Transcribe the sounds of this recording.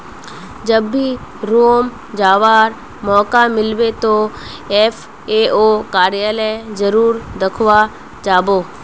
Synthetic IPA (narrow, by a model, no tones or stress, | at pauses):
d͡ʒəbːiɾoːm | d͡ʒaːʋaːɾ | mɔːkamɪlbet̪o | eːfʰ | eːokaːɾjaːləjzəɾuːɾd̪əkʰʋa | d͡ʒaːboː